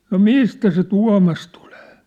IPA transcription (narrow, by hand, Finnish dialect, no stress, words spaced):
no mistæ se tuɑ̝mɑs tu̥l̥e̥ː